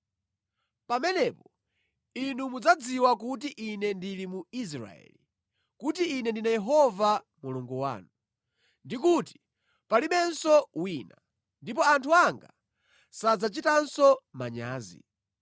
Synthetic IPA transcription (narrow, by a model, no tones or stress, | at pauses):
pamɛnɛpɔ | inumud͡zad͡ziwak̬utiʔinɛndilimuis̬ɾa̰ɛ̰li | kutiːnɛndinajɛɦɔva | muluŋɡɔwa̰ːnu | ndikuti̥ | paliɓɛnsɔwiːna | ndip̬ɔantʰuaŋɡa̰ | sad͡zat͡ʃitansɔmaɲaːzḭ